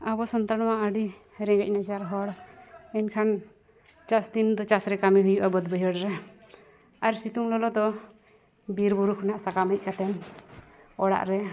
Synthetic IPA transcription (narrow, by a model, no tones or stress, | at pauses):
abɔsɔnt̪ɾaɽ̃nɔwaʔəɖi | ɾɛ̃ŋɡɛc̚ˀnad͡ʒaɾɦɔɽɛnkʰan | t͡ʃasd̪ind̪ɔt͡ʃasɾɛkamiɦujuʔabəd̪bəjəɽɾɛ | aɾsit̪uŋlɔlɔd̪ɔ | biɾbuɾukʰɔnaʔsakaməc̚kat̪ɛn | ɔɽa̰ʔɾɛ